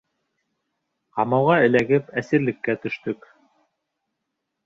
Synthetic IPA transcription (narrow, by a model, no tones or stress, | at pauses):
qɑmɑwʁɑɘ̆læɡɘpæsɘ̆ɾlɘ̆kːæt̪ɵ̆ʃt̪ɵk